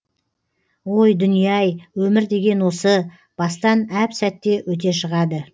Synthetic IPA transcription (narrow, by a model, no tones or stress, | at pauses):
wo̞jd̪ʏnijɑjwɵmɪɾd̪e̞ɡʲe̞nwo̞sə | b̥ɑst̪ɑnæpsæt̪ːe̞wɵt̪e̞ʃəʁɑd̪ə